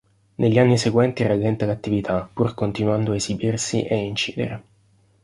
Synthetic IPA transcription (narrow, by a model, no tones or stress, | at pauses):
neʎːanːiseɡwɛnt̪iralːɛnt̪alat̪ːivit̪ʰapːurkont̪inuand̪oaezibirsḭʔeint͡ʃḭːd̪ḛɾe